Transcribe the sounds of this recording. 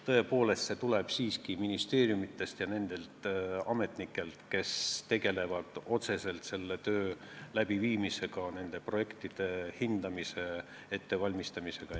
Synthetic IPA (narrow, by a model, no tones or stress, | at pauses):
t̪ɤe̞po̞ːle̞st̪se̞t̪uleb̥siːskiminist̪e̞ːrjumit̪ːˑe̞st̪jɑne̞nd̪̥e̞lt̪ɑme̞t̪nikːˑe̞lt̪ke̞st̪e̞ɡ̥e̞le̞vɑd̪̥o̞t̪se̞se̞lt̪se̞lːe̞t̪ø̞ː | læb̥iviːmise̞ɡ̥ɑne̞nd̪̥e̞pro̞je̞kt̪id̪̥e̞hind̪̥ɑmise̞ | e̞t̪ːe̞vɑlʲmist̪ɑmise̞ɡ̥ɑ